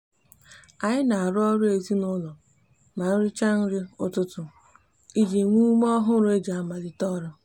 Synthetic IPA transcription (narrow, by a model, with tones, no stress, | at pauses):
a˨ɲɪ˦na˨a˨ɾʊ˦ɔ˦ɾʊ˦e˨zi˦nʊ˦lɔ˨ | ma˨n̩˦ɾɪ˦t͡ʃa˦n̩˦ɾɪ˦ʊ˦tʊ˦tʊ˨ | i˦d͡ʒi˨ŋʷu˦m˦ɔ˦ɦʊ˦ɾʊ˦e˦d͡ʒa˨a˦ma˨lɪ˦tɔ˦ɾʊ˦